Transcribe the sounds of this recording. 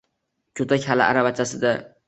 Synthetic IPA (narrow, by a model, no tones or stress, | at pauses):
kʲʰɵt̪akʲhala̰ʔa̰ɾabat͡ʃʰasɪd̪a